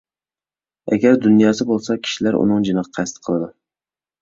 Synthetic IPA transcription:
a̰ɡʲaɾd̪ʊnjɑsɪbolˠsakʲʰɪ̥ʃɪlaɾʔʊ̰nɨŋd͡ʒɪnɨqɑqʰɑst̪ʰɨ̥qʰəlˠɪd̪ʊ

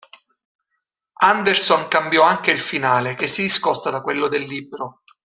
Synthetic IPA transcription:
and̪ersoŋkambjɔaŋkeilfinaːlek̟esːid̪iskɔst̪ad̪akwelːod̪elːibɾo

